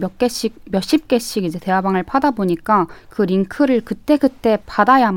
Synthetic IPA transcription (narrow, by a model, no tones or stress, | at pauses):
k͈eɕ͈imjʌɕ͈ip̚k͈e̞ɕ͈iɡid͡ʑe̞te̞ɦwabaŋɯɭpʰadaboɲik͈akɯɾiŋkʰɯɾɯɭkɯt͈e̞kɯt͈e̞padajam